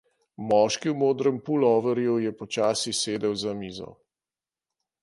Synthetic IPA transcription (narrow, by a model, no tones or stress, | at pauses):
mɔːʃkiwmoːd̪ɾəmpulɔːʋəɾjujɛpɔt͡ʃaːsiseːd̪ɛwzamiːzɔ̰